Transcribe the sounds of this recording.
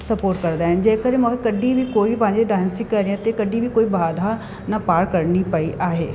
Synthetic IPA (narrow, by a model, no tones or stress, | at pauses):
sɐpoːɾʈ̚kɐɾd̪aːɦɪnɪ̆d͡ʑeːkəɾẽmʊ̃ːkʰekɐɖʱibʱikoːipɐ̃ɦɪ̃ɲd͡ʑeɖãːnsɪ̃kkɐɾiãt̪ekɐɖibʱikoːibaːd̪ʱa | nɐpaːɾkɐɾnipɐiʔaːɦeː